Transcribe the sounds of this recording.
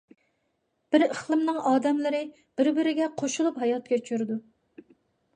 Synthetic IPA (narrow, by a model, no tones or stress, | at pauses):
b̥ɪɾəχlˠɨmnɨŋɑːd̪ɛmlɨɾɨ | b̥ɪɾbɪɾɪɡʲɛqʰoʃulˠupɦɑjɑt̪̚kʲɛt͡ʃʰyɾd̪u